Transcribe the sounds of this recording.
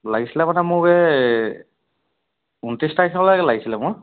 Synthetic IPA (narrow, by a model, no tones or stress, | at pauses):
laɡisilɛmanɛmʊɡɛ | untistaikʰɔlajkɛlaɡisilɛmʊɹ